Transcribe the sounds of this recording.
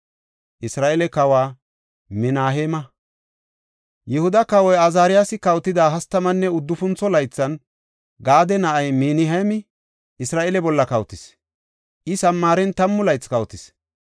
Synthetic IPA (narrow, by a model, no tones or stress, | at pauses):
ʔɪsɾaːʔɛlɛkɐwaː | mɪnaːɦeːmɐ | jɛhʊd̪ɐkɐwɔjɐzaːɾɪjaːsɪkɐwt̪ːɪd̪aːɦɐst̪ːɐmɐnːɛʊd̪ːʊfʊnt͡sːɔlɐjt͡sːɐn | ɡaːd̪ɛnɐʔɐjmiːnɪɦɐmɪ | ʔɪsɾaːʔelɛbɔlːɐkɐwt̪ɪs | ʔɪsɐmːaːɾɛnt̪ɐmːʊlɐjt͡skɐwt̪ɪs